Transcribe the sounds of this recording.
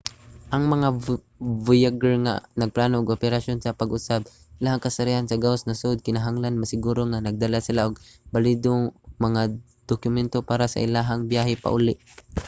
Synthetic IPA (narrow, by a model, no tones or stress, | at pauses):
ʔɐŋmɐŋa | vujaɡɛɹŋa̰nɐɡ̚planoʔːɡopɛɾaʃjonsɐpaɡʊsab̚ | ʔɪlahaŋkɐsaɾihansɐɡaosnɐsd̪̚kɪnaɦaŋlanmɐsɪɡuːɾoŋanɐɡ̚d̪alasɪlaʔʊɡ̚balid̪oŋmɐŋa | d̪̥okjʊmɛnt̪opaːɾasa̰ʔɪlaɦaŋbjaɦɛpa̰ʔulɪʔ